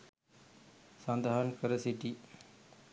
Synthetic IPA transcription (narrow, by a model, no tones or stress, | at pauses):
sɐnd̪aɦɐnkəɾəsiʈi